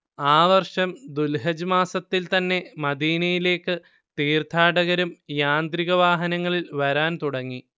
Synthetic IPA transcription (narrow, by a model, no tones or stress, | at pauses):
aːʋɐrʂɐmd̪ulɦɐd͡ʑumaːsɐt̪ːilt̪ɐnːe̞mɐd̪iːnɐjile̞ːkːɨ | t̪iːrt̪ʰaːɽɐɣɐɾumjaːnd̪ɾiɣɐʋaːɦɐnɐŋːɐɭilʋɐɾaːnt̪uɽɐŋːi